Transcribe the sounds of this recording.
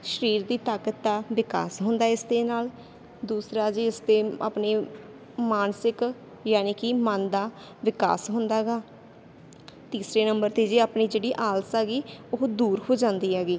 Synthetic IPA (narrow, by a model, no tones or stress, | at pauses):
ʃəɾiːɾd̪iːt̪aːkət̪̚ːaːʋɪka̰ːsɦʊ̃nd̪aːɪst̪eːnaːl | d̪uːsɾaːd͡ʒeːɪst̪eːa̰ːpneː | maːnsɪk | jaːniːkɪmənd̪aː | ʋɪka̰ːsɦʊnd̪aːɡaː | t̪iːsɾeːnəmbəɾt̪eːd͡ʒeːaːpniːd͡ʒeːɽiːʔaːlsaːɡiːʊɦd̪uːɾhoːd͡ʒãːnd̪iːaːɡiː